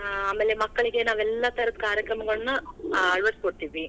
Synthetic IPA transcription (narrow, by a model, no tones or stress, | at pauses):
aːmːeːlːemɐkːɐɭiɡe̞naːʋɛlːaːt̪ɐɾɐt̪kaːɾjɐkɾɐmɐɡɐɭɐnuɐɭʋɐɾskoɽt̪iʋi